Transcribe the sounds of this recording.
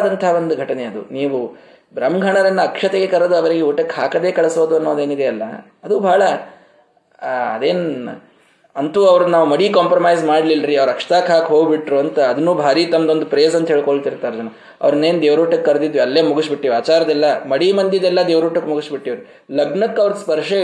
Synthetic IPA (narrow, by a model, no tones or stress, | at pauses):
d̪ɐnt̪ʰaːʋond̪uɡʱɐʈɐne̞ɐd̪ṵniːʋu | bɾɐmɡʱɐɳɐɾɐnːuɐkʂɐt̪eɡe̞kɐɾɐd̪uɐʋɐɾiɡeuːʈɐkhaːkɐd̪e̞ːkɐɭɐsoːd̪uɐnːoːɐd̪e̞ːnid̪eɐlːɐ̰ | ɐd̪ubʱaːɭɐ | ɐd̪eːn | ɐnt̪uːɐʋɾɐd̪naːʋumɐɽiːkaːmpɾɐmaːjzmaːɽlilɾiɐʋɐɾɐkʂɐ̥t̪aːkɦaːkɦoːɡbiʈɾuɐnt̪ɐːd̪ɐnːuːbʱaːɾiːt̪ɐmɐd̪o̞nd̪upɾeːzɐnt̪ɐɦeːɭkoɭt̪iɾt̪aːɾd͡ʒɐnɐ | ɐ̰ʋɐɾɐnːeːnd̪eːʋɾuːʈɐkkɐɾɐd̪id̪ʋiɐlːe̞ːmuɡusbiʈːiːʋaːt͡ʃaːɾɐd̪ɛlːɐmɐɽimɐnd̪jɐd̪ɛlːɐd̪eːʋɾuːʈːɐkːmuɡusbiʈːiːʋɐɾu | lɐɡɳɐkːɐʋɾd̪spɐɾʂe